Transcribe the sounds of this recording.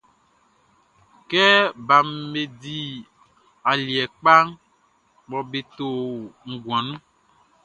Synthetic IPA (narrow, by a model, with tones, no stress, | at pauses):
kɛ˦ba˨m˦me˨di˨ | a˨li˨ɛ˨k͡pa˦ŋ | ɡ͡bɔ˨be˨t̪o˨ŋ̩˨ɡu˨ã˨nũ˦